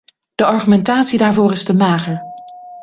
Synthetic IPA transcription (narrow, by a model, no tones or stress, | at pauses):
d̥əɑɹχymɛntaːtsidaːɹvʊːrɪzdəmaːχəɹ